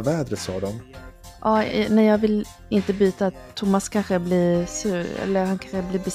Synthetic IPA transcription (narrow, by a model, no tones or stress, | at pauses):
vɛːd̪ɾəsɑ̰ːd̪ɔmʔɑːnɛjɑːɡvɪl | ɪnt̪əbyːt̪at̪ʰːʊmːaskʰanɧəblisʉɾɛ̰lːəhankʰanɧəbliːbəs